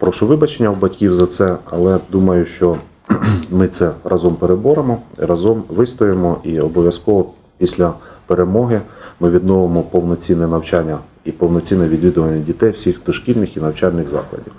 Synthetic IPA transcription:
pɾɔʃʊʋɪbɐt͡ʃenʲːɐwbɐtʲkʲiwzɐt̪sɛɐ̰lˠɛd̪umɐjʊʃt͡ʃɔ | mɪt̪sɛrʔɑzɔmpeɾebɔɾemɔḭɾɑzɔmʋɪst̪ɔjemɔʔiɔbɔʋʲjɐskɔʋɔ | pʲisʲlʲɐpeɾe̞mɔɦɪmɪʋʲid̪nɔʋemɔpɔwnɔt͡sʲinːɛnɐwt͡ʃanʲːɐ | ipɔwnɔt͡sʲinɛʋʲid̪ʋʲid̪ʊʋɐnʲːɐdʲit̪ɛjwsʲixd̪ɔʃkʲilʲnɪxinɐwt͡ʃalʲnɪxzɑ̰klˠɐ̰dʲiw

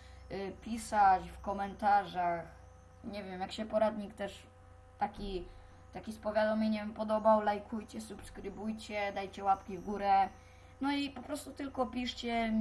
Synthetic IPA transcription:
pʲisat͡ɕfkɔmɛnt̪aʐax | ɲɛvʲjɛmjakɕɛpɔɾad̪ɲikt̪ɛʂ | t̪akʲi | t̪akʲispɔvʲjad̪awmʲiɲɛpɔd̪ɔbawlajkʰujt͡ɕɛsupskɾɘbujt͡ɕɛd̪ajt͡ɕɛwapkʲivɡuɾɛ | nɔipɔpɾɔst̪ut̪ɘlkɔpʲiʂt͡ɕɛ

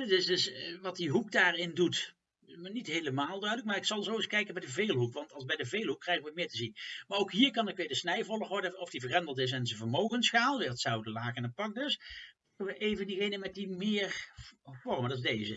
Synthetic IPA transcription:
dtɪsdɵsʋɑtdiɦukdaːrɪndutː | nitɦejləmaːlˠdœɥdələk̚maːɹɪksɑlˠzowɪskɛjkənbɛjdəvejlˠɦukʋɑntɑlˠsbɛjdəvejlˠɦukːrɛjɣəʋəmɪːɹtəzinmaːɹowkɦiːɹkɑnɪkʋɪːɹdəsnɛjvɔlˠəɹʋɔɹdəɔfdivərɛndəlˠtɪs̬ɛnzəvəɹmowɣənsχaːlˠʋɪːətsɑwdəlaːkənət̚pɑk̚dɵspɑ̥kəʋəʔejvəndiɣejnəmɛt̚dimɪːɹvɔɹməndɑtɪzdejzə

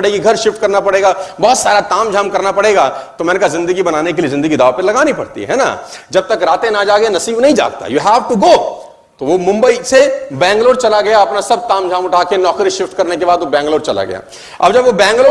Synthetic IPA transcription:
ɽeːɡiɡʱɐɾʃɪfʈ̚kɐɾnapɐɽeːɡabɔɦːt̪saːɾat̪aːmd͡ʒʱaːmkɐɾnapɐɽeːɡaːt̪omɛ̃ːnekaɦzɪ̃nd̪əɡibɐnaːnek̬eliezɪ̃nd̪əɡid̪aːʋapɐlɐɡaːnipɐɽt̪ḭɦɛ̰ːna̰d͡ʒɐb̚t̪ɐkɾaːt̪ẽnad͡ʒaːɡɐenɐsiːbnɐɦĩd͡ʒa̰ːɡ̚t̪a̰juɦɛːʋʈuɡoː | t̪oʋomʊ̃mbəisebɛ̃ːŋɡloːɾt͡ʃɐlaɡɐjaɐpnasɐb̚t̪aːmd͡ʒʱaːmʊʈʰaːkenɔːkɾiʃɪfʈkɐɾnekebaːd̪ʋobɛ̃ːŋɡloːɾt͡ʃɐla̰ɡɐ̰ja̰ː | ɐbd͡ʒɐbʋobɛ̃ːŋɡloː

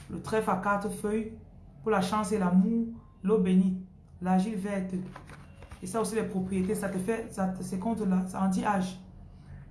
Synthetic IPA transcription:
lət̪χɛfakat̪χəfœj | pulaʃɑ̃s̬elamu | lobeni | laʒilvɛt̪ə | esaosilɛpχopχijet̪esat̪efɛsasɛkɔ̃t̪əlasaɑ̃d̪iʔaʒ

